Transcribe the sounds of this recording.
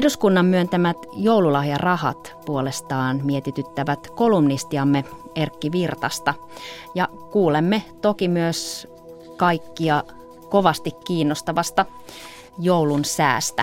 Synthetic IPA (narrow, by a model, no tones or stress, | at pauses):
duskunːɑmmyønt̪æmæt̪jowlulɑhjɑrɑhɑ̰t̪puolest̪ɑːnmiet̪it̪yt̪ːæʋæt̪kolumnist̪iɑmːe | erkːiʋirt̪ɑst̪ɑ | jɑ | kuːlemːet̪okimyøs | kɑikːiɑ | koʋɑst̪ikːiːnːost̪ɑʋɑst̪ɑ | jowlunsæ̰ːst̪æ